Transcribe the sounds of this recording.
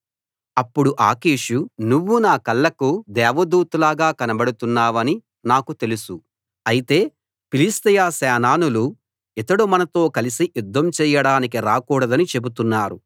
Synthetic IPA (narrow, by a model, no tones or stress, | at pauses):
ɐpːuɽuʔaːkiːʃunuʋːunaːkɐlːɐkud̪ɛːʋɐd̪uːt̪ulaːɡaːkɐnɐbɐɽut̪unːaːʋɐni | naːkut̪e̞lusu | ɐjit̪e̞ː | pilist̪ɐjaːsɛːnaːnulu | it̪ɐɽumɐnɐt̪o̞ːkɐlisiʔjud̪ʱːɐmt͡ʃɛːjɐɽaːnikiɾaːkuːɽɐd̪ɐnit͡ʃe̞but̪unːaːɾu